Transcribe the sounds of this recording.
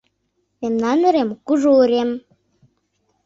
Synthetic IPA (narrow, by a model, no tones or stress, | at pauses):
memnɑnə̆ɾemkuʒoɾem